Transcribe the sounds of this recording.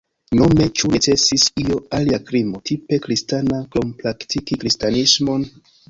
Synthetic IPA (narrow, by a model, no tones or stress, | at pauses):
no̞me̞t͡ʃunet͡se̞sisio̞aliakɾimo̞tʰipe̞kɾistanaklompɾaktikikɾistanismo̞n